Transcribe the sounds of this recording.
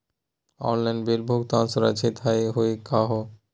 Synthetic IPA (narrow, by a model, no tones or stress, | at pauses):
ɔ̰nlajnbelbʱoɡt̪ansoɾa̰t͡ɕʰet̪ʰajɦoekaɦo